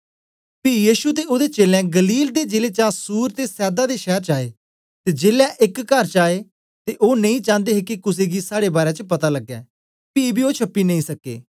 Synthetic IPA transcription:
piːjiːʃut̪eːod̪et͡ʃeːlɛ̃ːɡəliːld̪eːd͡ʒeːleːt͡ʃaːsuːɾt̪eːsɛːd̪aːd̪eːʃɛːɾt͡ʃaːeː | t̪eːd͡ʒeːlaːʔɪkːəɾt͡ʃaːeː | t̪eʔoːnə̃ĩːt͡ʃãːnd̪eːɦeːkikʊs̬eːɡiːsaːɽeːbaːɾɛ̃ːt͡ʃəpɐt̪aːləɡːɛː | piːbʱiːoːt͡ʃʰəpːiːnə̃ĩːsəkːḛː

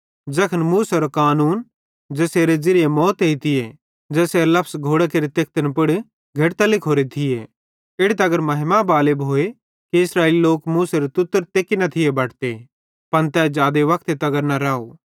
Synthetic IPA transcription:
d͡ʒɐkʰənmuːsɐɾokaːnuːn | d͡ʒɛːseːɾed͡ʒɪɾɪjemɔːt̪eit̪ʰɪje | d͡ʒɛːseːɾlɐpʰsɡʱoːɽakeːɾit̪eːk̚ʰt̪ənpɪɽ | ɡʱɐʈt̪ɐlɪkʰoːɾet̪ʰɪje | ɪɽet̪ɐɡəɾmɐɦɪmabaːlɪbɦoːe | kiɪsɾaːɪliloːkmuːsɐɾot̪ʊt̪ːəɾt̪eːkinɐt̪ʰɪjebɐːʈʰt̪e | pɐnt̪ɛd͡ʒaːd̪eʋɐk̚t̪et̪ɐɡəɾnɐɾaːo̰ː

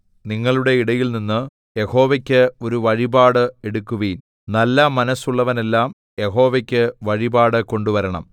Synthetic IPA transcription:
niŋːɐɭuɽe̞iɽɐjilninːɨ | je̞ho̞ːʋɐkʲːɨo̞ɾuʋɐɻibaːɽɨe̞ɽukːuʋin | nɐlːɐmɐnɐsuɭːɐʋɐne̞lːaːm | je̞ɦo̞ːʋɐkʲːɨʋɐɻibaːɽɨko̞ɳɖuʋɐɾɐɳɐ̰m

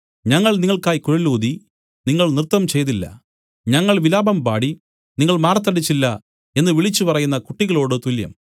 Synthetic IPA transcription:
ɲɐŋːɐɭniŋːɐɭkaːjikuɻɐluːd̪i | niŋːɐɭnrɨt̪ːɐmt͡ɕe̞jt̪̬ilːɐ̰ | ɲɐŋːɐɭʋilaːbɐmbaːɽi | niŋːɐɭmaːrɐt̪̬ːɐɽit͡ɕːilːɐ | e̞nːɨʋiɭit͡ɕːupɐrɐjunːɐkuʈːiɣɐɭo̞ːɽɨt̪uljɐ̰m

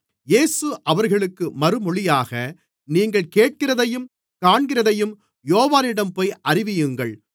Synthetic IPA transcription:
jeːsɯʔɐʋɐɾɣɐɭɯkːɯmɐɾɯmɔɭɪjaːɣɐ | niːŋɡɐɭkeːʈ̚kɪrɐðɐjɯm | kaːɳɡɪrɐðɐjɯm | joːʋaːnɪɽɐmpoːjʔɐrɪʋɪjɯŋɡɐɭ

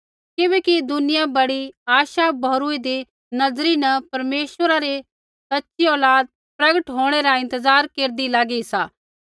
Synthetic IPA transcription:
kɪbɛːkid̪ʊnɪjabɐɽiaːʃabʱɐːɾued̪e | nɐzɾinɐpɐɾmeːʃʋəɾaɾe | sɐtːʃiɔːlaːd̪̚ | pɾɐɡəʈɦoːɽ̃eɾaɪ̃nt̪əzaːɾkeːɾd̪ilaːɡeisaː

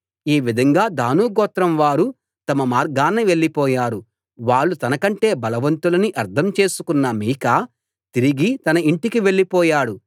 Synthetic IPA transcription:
iːʋid̪ʱɐŋɡaːd̪ʱaːnuːɡɔːt̪ɾɐmʋaːɾu | t̪ɐmɐmaːɾɡaːnːɐʋe̞ɭːipɔːjaːɾu | ʋaːɭːut̪ɐnɐkɐɳʈe̞ːbɐlɐʋɐnt̪ulɐniʔɐɾd̪ʰʱɐmt͡ʃe̞ːsukunːɐmiːkaː | t̪iɾiɡit̪ɐnɐiɳʈikiʋe̞ɭːipɔːjaːɽu

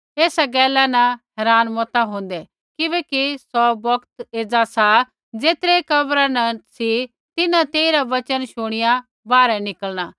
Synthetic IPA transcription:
eːsaɡɛːlanãɦɛːɾaːnmɔːt̪aɦõːn̆d̪ɛ | kɪbɛːkisɔbɐkt̪eːd͡zasa | d͡zeːt̪ɾɛkɐbɾanɐsi | t̪ɪnãt̪eːiɾaʋɐt͡ʃənʃʊɽ̃ɪja | baːɾɛnɪkəlɽ̃aː

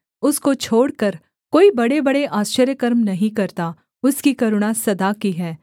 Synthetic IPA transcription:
ʊskot͡ʃʰoːɽkɐɾ | koːibɐɽebɐɽeʔaːst͡ʃəɾjəkɐɾmnɐɦĩkɐɾt̪a | ʊskikɐɾʊɽ̃asɐd̪akiɦɛː

